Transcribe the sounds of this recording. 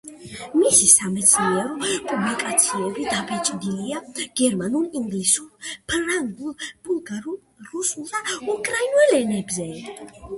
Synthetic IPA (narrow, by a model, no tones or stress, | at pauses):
misisamɛt̪sʰniɛɾɔpʼublikʼat̪sʰiɛbid̪apʰɛt͡ʃʼd̪iliaɡ̥ɛɾmanuliŋɡlisulpʰɾaŋɡulb̥ulˠɡaɾ | ɾusulˠd̪aukʼɾainɛlɛnɛbzɛ